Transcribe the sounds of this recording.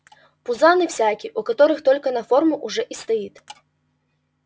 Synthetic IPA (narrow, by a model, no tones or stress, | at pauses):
puzanɨwsʲakʲiʔukat̪ɔɾɨxt̪ɔlʲkɐnɐfɔrmuʔuʐɛʔist̪ɐjit̪ʲ